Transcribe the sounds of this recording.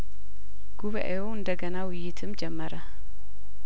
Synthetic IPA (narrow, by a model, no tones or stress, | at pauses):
ɡ̥uβa̰ʔejoɨnd̪əɡənawʊjːɪt̪ʰɨmd͡ʒɛmːəɾə